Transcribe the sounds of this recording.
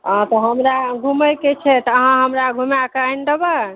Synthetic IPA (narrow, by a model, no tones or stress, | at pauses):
ɦãt̪ɔɦəmɾaɡʱuməjket͡ʃʰɛt̪ɔəɦãɦəmɾaɡʱumakajnɖəba